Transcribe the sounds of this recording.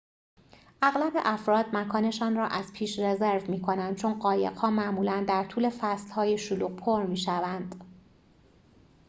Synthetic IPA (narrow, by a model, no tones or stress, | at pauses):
ʔæɣlæbe̞ʔæfɾɒːd̪̚mækʰɒːne̞ʃɒːnrɒːʔæzpʰiːʃrezeɾvmiːkʰonænd̪̥̚t͡ʃʰonɢɒːje̞̰ɣ̥hɒːmæʔmuːlænd̪æɾt̪ʰuːle̞fæslhɒːjeʃoluːq̚pʰoɾmiːʃævænd̪̥